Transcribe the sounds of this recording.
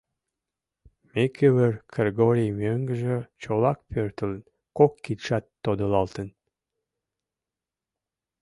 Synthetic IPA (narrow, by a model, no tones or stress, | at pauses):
mekʰøβərkreɡoɾʲijmøŋɡəʒĕt͡ɕolɑk̚pørt̪ələn | kokːit̪ʃɑt̪ːod̪əlɑlt̪ən